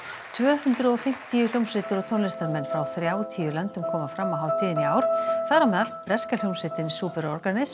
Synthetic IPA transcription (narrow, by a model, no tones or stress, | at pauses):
t̪ʰvœːhʏnt̪ɾʏɔfɪm̥t̪ijʏl̥jowmsɪt̪ʏɾɔt̪ʰownlɪst̪aɾmɛnːfɾawθɾjaːwt̪ʰijʏlœnt̪ʏmkʰɔːmafɾamːaɦaːwt̪ʰiːðɪniaːwɾ̥θaðɾamɛːðalpɾɛskal̥jowmsɪt̪ɪnisuːpʏɾɔɾkanɪs